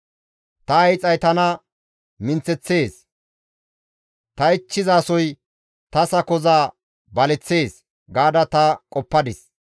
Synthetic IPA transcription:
t̪ɐɐjt͡sʼɐjt̪ɐnɐ | mɪnt͡sɛt͡sːe̞ːs | t̪ɐɪt͡ʃːɪzaːsɔj | t̪ɐsɐkɔzaː | bɐlɛt͡sːe̞ːs | ɡaːd̪ɐt̪ɐkʼɔpːɐd̪ɪs

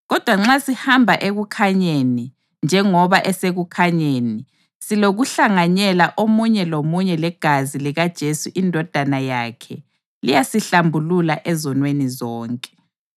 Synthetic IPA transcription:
ɣɔd̥ʱwaŋ͡ǁasihambʱaʔeɣukʰaɲeni | nd͡ʒʱɛŋɔβaʔɛseɣukʰaɲeni | siloɣuɬaŋaɲɛlaʔomuɲɛlomuɲɛlɛɡ̥ʱaziliɣad̥ʒ̥ʱesuʔindʱɔd̥ʱanajakʰɛ̰ | lijasiɬambʱululaʔɛzɔnwenizɔːŋkʼɛ̥

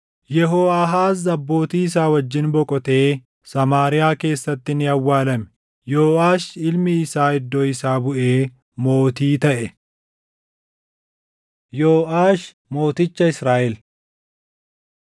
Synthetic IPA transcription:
jɛɦoːɐɦaːzɐbːo̞ːt̪iːɪs̬aːwɐd͡ʒːɪnbɔkʼɔt̪e̞ː | sɐmaːɾɪjaːke̞ːsːɐt̪ːɪnɪɐwːaːlɐmɛ̥ | joːʔaːʃɪlmɪːsaːɪd̪ːoːɪsaːbʊʔe̞ː | mo̞ːt̪iːt̪ɐʔɛ | joːʔaːʃ | mo̞ːt̪ɪt͡ʃːɐɪsɾaːʔɛl

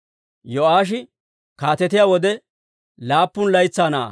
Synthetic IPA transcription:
jɔaːʃ̬ɪ | kaːt̪ɛt̪ɪjaːwɔd̪ɛ | laːpːʊnlɐjt͡sːaːna̰ː

